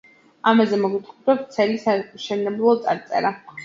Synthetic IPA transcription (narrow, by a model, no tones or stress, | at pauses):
amazɛmɔɡit̪ʰɾɛp̪̚t̪sʰɛlisaʃɛnɛblˠɔt̪sʼaɾt̪sʼɛ̰ɾa